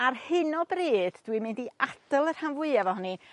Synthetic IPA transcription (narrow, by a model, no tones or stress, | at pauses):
arhɪnɔbriːd̥d̥wimɪndiadəlˠər̥hanvʊɨavɔhɔni